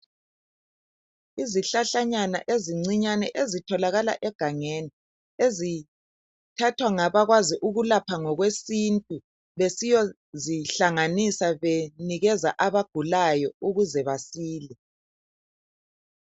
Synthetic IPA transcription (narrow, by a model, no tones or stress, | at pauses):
iziɬaɬaɲana̰ʔeziŋ͡ǀiɲanɛʔezitʰɔlaɣala̰ʔɛɡ̥ʱaŋeːni | ezi | tʰatʰwaŋaβaɣwaziʔuɣulapʰaŋɔɣwesintʼu | βesijɔ | ziɬaŋanisaβeniɣɛzaʔaβaɡ̥ʱulajɔuɣuzɛβasiːlɛ